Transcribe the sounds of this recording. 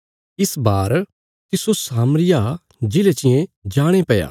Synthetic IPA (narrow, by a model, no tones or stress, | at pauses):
ɪsbaːɾ | kɪsosaːmɾɪja | d͡ʒɪlet͡ʃɪjẽd͡ʒaːɽ̃epɛja̰ː